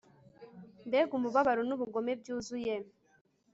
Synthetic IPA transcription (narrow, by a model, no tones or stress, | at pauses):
mbeɡumuβaβaɾonuβuɡomeb̚juːzuje